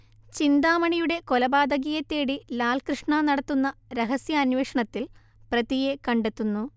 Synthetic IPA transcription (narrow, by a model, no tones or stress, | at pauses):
t͡ɕind̪aːmɐɳijuɽe̞ko̞lɐbaːd̪ɐɣiːjɐt̪ːeːɽilaːlkrɨʂɳanɐɽɐt̪ːunːɐɾeɦɐsjɐːnweːʂɐɳɐt̪ːil | prɐðijekɐɳɖe̞t̪ːunːu